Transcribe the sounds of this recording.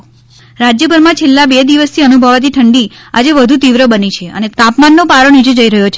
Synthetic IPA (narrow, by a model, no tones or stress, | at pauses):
ɾad͡ʒjəbʱəɾmãt͡ʃʰelːabed̪iʋəst̪ʰiənubʱəʋat̪̬ʰiʈʰəɳɖiad͡ʒeʋəd̪ʱut̪iʋɾəbənit͡ʃʰeə̰net̪apmanːopaɾonid͡ʒed͡ʒəiɾəɦjot͡ʃʰe